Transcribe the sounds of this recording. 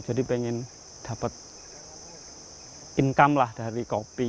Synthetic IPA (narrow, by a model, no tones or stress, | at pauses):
d͡ʒ̥adipeŋɪn | d̥a̤pət̪̚ | iŋkamlahd̥a̤ɾikopi